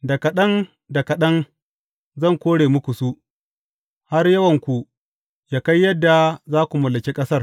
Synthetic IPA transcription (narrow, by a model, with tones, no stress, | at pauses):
dɐ˨kɐ˨ɗɐ˦n | dɐ˨kɐ˨ɗɐ˦ŋ | zɐ˦˨ŋkʷoː˦ɽeː˨mʊ˦kʷu˨su˦ | ha˦rjɐ˦wɐ˨ŋkʷu˨ | jaː˦ka˦jːɐ˦dːa˨zaː˦kʷu˨mɐ˨lːɐ˨ke˦kʼɐ˦sɐ˦r